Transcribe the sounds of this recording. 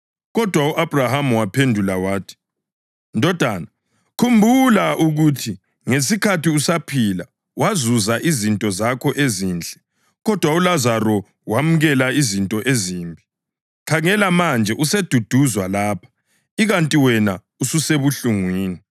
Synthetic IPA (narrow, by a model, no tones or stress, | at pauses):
ɣɔd̥ʱwauʔab̥ʱrahamuwapʰendʱulawaːtʰi̥ | ndʱɔd̥ʱaːna | kʰumbʱulaʔuɣutʰi | ŋes̬ikʰatiusapʰila | wazuzaʔizintʼɔzakʰɔʔeziːnd͡ɮʱʼɛ | ɣɔd̥ʱwaulazaɾɔ | wamuɣɛlaizintʼɔʔeziːmbʱi | kʰaŋɛlamand͡ʒʱɛʔused̥ʱud̥ʱuzwalaːpʰḁ | iɣantʼiwɛna | ususeβuɬuŋwiːni